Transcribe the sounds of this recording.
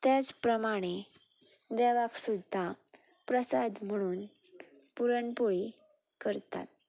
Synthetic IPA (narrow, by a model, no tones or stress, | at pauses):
t̪jat͡spɾəmaɽ̃e | d̪ɛʋaksud̪ʱːa | pɾəsad̪m̤əɽ̃uːn | puɾəɳpoɭi | kəɾt̪a̰t̪̚